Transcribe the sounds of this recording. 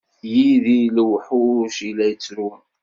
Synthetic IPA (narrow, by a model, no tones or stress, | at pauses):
jiðilwħuʃilːæjət͡sːɾu